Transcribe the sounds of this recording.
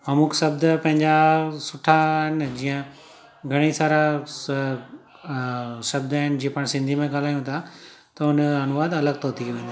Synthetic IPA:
mɐmʊksɐb̚d̪pɐ̃ɦɪ̃ɲd͡ʑasʊʈʰaɦɪn̆d͡ʑiːə̃ | ɡʱɐɽ̃isaːɾa | sɐb̚d̪aɦɪnd͡ʑiːə̃pɐɽ̃sɪ̃nd̪ʱimẽɡaːl̤aːjũt̪ʰa | t̪ɐʊnɐnʊʋaːd̪ɐləɡ̚t̪oːt̪ʰiʋẽːn

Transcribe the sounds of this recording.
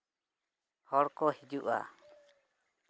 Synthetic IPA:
hɔɽkɔhid͡ʒuʔa̰

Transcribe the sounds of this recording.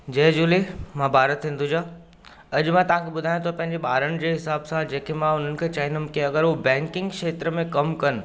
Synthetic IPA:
d͡ʑɛːd͡ʑuːlemãːbʱaːɾət̪ĩːn̆d̪ud͡ʑaː | ɐʄmãt̪ɐʋ̤ãkʰeɓʊd̪ʱaːjõt̪ʰɐpɐ̃ɦɪ̃ɲd͡ʑeɓaːɾəɽ̃ɪ̆d͡ʑeːɦɪsaːbsãd͡ʑeːkemãʊn̤ənɪ̆kʰet͡ɕaːɦɪnəmkeɐɡəɾɦubɛ̃ːŋkɪ̃ŋɡʃeːt̪ɾəmẽkɐmkɐn

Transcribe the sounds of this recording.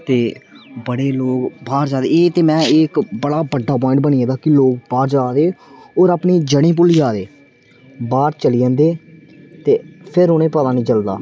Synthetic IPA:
t̪eːbəɽeːloːkbaːɾd͡ʒaːd̪eːeːt̪eːmɛ̃ːekbəɽaːbəɖːaːp̬ɔːɪ̃ɳʈ̚bəniːãːd̪aːkɪloːk̚baːɾd͡ʒaːd̪eː | oːɾapniːd͡ʒəɽ̃ĩːp̬ʊliːaːd̪eː | baːɾt͡ʃəliːãːnd̪eː | t̪eːpʰɪɾoːnẽːpət̪ãːnĩːt͡ʃəld̪a̰ː

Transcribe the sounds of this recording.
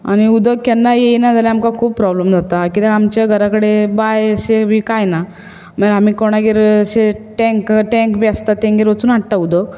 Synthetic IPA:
a̰ɽ̃iud̪əɡ̚kanːajejnad͡zʱalaamkakʰuːppɾɔbləmd͡zat̪akit̪aamt͡ɕaɡʱəɾakəɽebajsebʱiːkajna | məeɦamiːkoɽ̃aɡeɾseʈɛ̃ŋkʈɛ̃ŋkbʱiast̪at̪ːẽŋɡeɾʋət͡suːnaʈʈaud̪əɡ

